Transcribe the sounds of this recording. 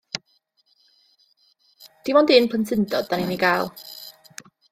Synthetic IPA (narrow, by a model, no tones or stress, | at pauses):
t̪imɔnd̪inpʰənsɪnt̪ɔt̪aniniɡaːw